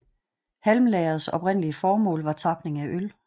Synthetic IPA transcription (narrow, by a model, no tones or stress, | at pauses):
hælmlɛɐð̩ˠsɒ̽b̥ʁen̰əliəfɒːmɔ̰ːlʋɑ̈t͡sʰɑ̈b̥ne̝ŋæʔøl